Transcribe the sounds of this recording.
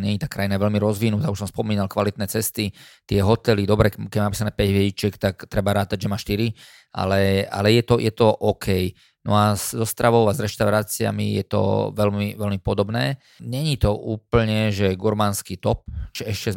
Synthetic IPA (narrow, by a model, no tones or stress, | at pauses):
ɲɛɲit̪aːkɾajinaʋɛlmiɾɔzʋinuːt̪auʃsɔmspɔmiːnalkʋalit̪̚nɛːt͡sɛst̪it̪ɪɛɦɔt̪ɛlid̪ɔbɾɛkɛɟmaapiːsanɛːpɛɟʋjɛɟit͡ʃɛkt̪akt̪ɾɛbaɾaːt̪aɟʒɛmaːʃt̪iɾi | ʔa̰lɛa̰lɛjɛt̪ɔjʔɛt̪ɔʔɔkʰɛj | nɔ̰azzɔst̪ɾaʋɔʊazɾɛʃt̪aʊɾaːt͡sia̰mḭjɛt̪ɔ̰ʋɛlmiʋɛlmipɔd̪ɔbnɛː | ɲɛɲit̪ɔʔuːpl̩ɲɛʒɛɡuɾmanskit̪ɔp̚ʒɛɛʃcɛ